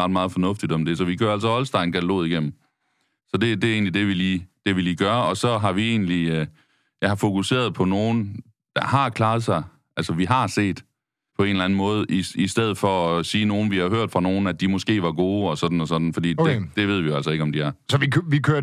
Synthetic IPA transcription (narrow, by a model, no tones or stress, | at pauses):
ɑd̥mɑ̈ːð̞̩ˠfɒ̽nɔ̽fd̥id̥ɒ̽md̥e̝sɒ̽ʋikʰø̰ɐæls̬ɒɒ̽lsd̥ɑ̈ɪnkʰæt͡sʰælo̝̰ːðˠiɡ̥em̰m̩ | sɒ̽d̥e̝d̥e̝e̝̰ːnlid̥e̝ʋiliːd̥e̝ʋiliːɡ̥ɶːɐɒ̽sɒ̽ɦɑ̈ʋie̝̰ːnli | jɑhɑ̈fo̝kuse̝̰ːɐðˠpʰɒ̽no̝ːn̩ | d̥ɑ̈hɑ̈kʰlɑ̈ːð̞̩ˠsɑ̈ɪ | ʔæl̰səʋiɦɑ̈se̝̰ːd̥ | pʰɒ̽e̝nlæn̩mɔːð̞̩ˠʔiisd̥eð̞̰̩ˠfɒɒsiːno̝ːn̩ʋihɑ̈ɦøɐ̰d̥fʁɑ̈no̝ːn̩æd̥imɔ̽sɡ̥e̝̰ːʋɑ̈ɡ̥o̝ːɒ̽sɒ̽d̥n̩ɒ̽sɒ̽d̥n̩fɒ̽d̥ḭ̥ːed̥e̝ʋe̝ð̞ˠʋijoæl̰sɒe̝ɡ̥ɒ̽md̥iæɐsɒʋikʋikʰøɐ